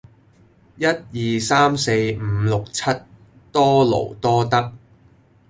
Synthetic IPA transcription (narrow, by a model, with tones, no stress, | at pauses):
jɐ˥t̚jiː˨saː˥mse˧jm̩ː˨˧lʊ˨k̚t͡sʰɐ˥t̚ | t̪ɔː˥lo̰˨˩wt̪ɔː˥t̪ɐ˥k̚